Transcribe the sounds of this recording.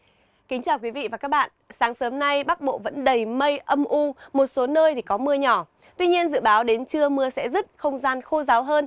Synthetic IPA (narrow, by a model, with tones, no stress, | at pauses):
kï˨˦ŋ̟t͡ɕaː˨˩wkwi˨˦vḭ˧˨vaː˨˩kaː˦˥k̚ɓa̰ː˧˨nsaː˨˦ŋsəː˨˦mna˧jɓa˦˥k̚ɓo̰˧˨və̰˧˥nɗə˨˩jmə˧jʔə˧mʔu˧mo˨˩t̚so˨˦nəː˧jt̪ʰi˨˩kɔ˨˦mɨ˧əɲɔ˧˩ | t̪wi˧ɲi˧ənzɨ̰˧˨ɓaː˨˦wɗe˨˦nt͡ɕɨ˧əmɨ˧əsɛ̰˧˥zə˦˥t̚xə˧wŋ͡mzaː˧nxo˧zaː˨˦wɦəː˧n